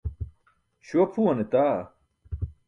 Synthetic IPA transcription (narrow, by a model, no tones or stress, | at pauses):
ɕopʰuɐnet̪aː